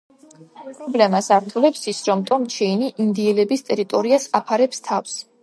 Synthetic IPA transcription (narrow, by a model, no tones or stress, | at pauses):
pʼɾɔblɛmasaɾt̪ʰulɛpsisɾɔmt̪ʼɔmt͡ʃʰɛiniʔind̪iɛlɛbist̪ʼɛɾit̪ʼɔɾiasapʰaɾɛpst̪ʰafs